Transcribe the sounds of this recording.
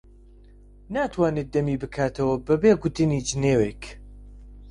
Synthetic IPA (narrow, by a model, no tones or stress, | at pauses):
naːt̪ʰwaːnet̪̚d̪ɐmiːbɨkʰaːt̪ʰɐwɐbɐbeːɡʊt̪ɨniːd͡ʒɨneːwek